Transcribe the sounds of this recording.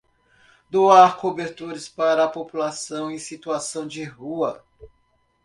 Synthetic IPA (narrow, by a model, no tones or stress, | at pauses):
d̪oaɾkobeɾt̪uɾɐspaɾɐːpopulasɐ̃w̃ẽjsit̪uasɐ̃w̃d͡ʒɪɦuɐ